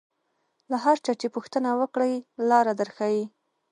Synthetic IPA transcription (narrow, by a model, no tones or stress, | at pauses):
laɦaɾt͡ʃɑt͡ʃepuxt̪ənawəkɽajlɑɾad̪əɾxawi